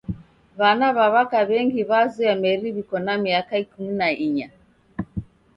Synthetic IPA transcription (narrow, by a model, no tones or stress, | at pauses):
βanaβaβakaβɛŋɡiβazuamɛɾiβikɔnamiakaikuminaʔiɲa